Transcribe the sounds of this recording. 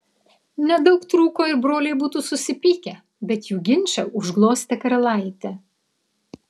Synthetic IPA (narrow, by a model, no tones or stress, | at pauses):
nʲɛd̪ɒʊkt̪ɾuːkoːɪɾbɾoːlʲɛɪbuːt̪uːsʊsʲɪpʲiːkʲɛ | bʲɛt̪juːɡʲɪnʲt͡ʃʲɛʊʒɡlˠoːsʲt̪ʲɛkɐɾɐlˠɐɪt̪ʲɛ